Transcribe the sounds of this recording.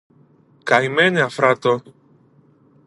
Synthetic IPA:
kajmeneafɾat̪o

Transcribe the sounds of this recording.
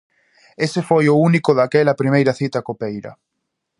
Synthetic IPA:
esefojʊunikʊðakɛlɐpɾimejɾɐθit̪ɐkopejɾɐ̰

